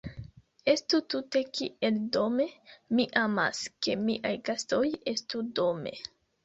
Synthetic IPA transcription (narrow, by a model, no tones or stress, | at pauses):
e̞stutute̞kḭʔe̞ldo̞me̞miʔama̰ske̞miʔajɡasto̞je̞studo̞me̞̰